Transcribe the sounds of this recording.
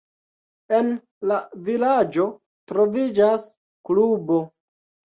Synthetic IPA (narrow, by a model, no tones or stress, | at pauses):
e̞n | lavilad͡ʒo̞ | tɾo̞vid͡ʒas | klubo̞